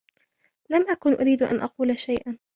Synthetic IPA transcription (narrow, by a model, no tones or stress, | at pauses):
lamʔakʊnʔʊɾiːd̪ʔa̰nʔɑquːlaʃajʔan